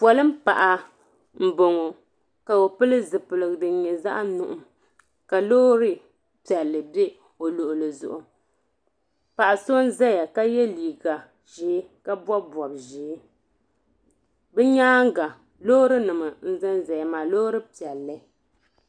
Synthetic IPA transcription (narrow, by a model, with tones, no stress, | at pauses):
pwɔ˨lɨ˦m̩˦pa̰˨ʔa˨ | m̩˦bo˨ŋo˨ | ka˨o˨pɨ˦lɨ˦zɨ˨pɨ˨lɨ˨ɡɨ˨dɨ˨ɲɛ˨za̰˦ʔnʊ̰˦˨ʔʊ˨m | ka˨loː˦ɾɨ˦ | pi˨ɛ˨lːɨ˨be˦ | o˨lo˨ʔʊ˨lɨ˨zʊ̰˨ʔʊ˨ | pa˨ʔa˨so˦n˦zɛ˦ja˨ka˦jɛ˦liː˨ɡa˨ | ʒe˨˦ka˦bɔ˦bɔ˨b̚ʒeː˨˦ | bɛ˦ɲaː˦ŋ˦ɡa˨ | loː˦ɾɨ˦nɨ˨mɨ˨n̩˦zɨ˦nza˨ja˨maː˨loː˦ɾɨ˦pi˨ɛ˨lːɨ˨˦